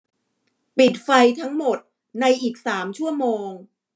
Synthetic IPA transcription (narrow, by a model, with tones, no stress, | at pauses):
pi˨˩t̪̚fa˧jt̪ʰa˦˥ŋmo˨˩t̪̚ | na˧jʔiː˨˩k̚saː˩˦mt͡ɕʰu˥˩ɐmoː˧ŋ